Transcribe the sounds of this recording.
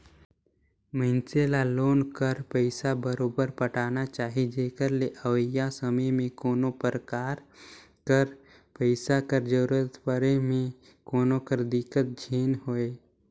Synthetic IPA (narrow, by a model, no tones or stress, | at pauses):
məɪnselaloːnkəɾpəɪsabəɾoːbəɾpəʈaːnat͡ʃaːɦid͡ʒeːkəɾleʔəwəjasəməjmẽkoːnopəɾəkaːɾ | kəɾ | pəɪsakəɾd͡ʒəɾət̪pəɾemẽ | koːnokəɾd̪ɪkət̪̚d͡ʒʱeːnɦoːeː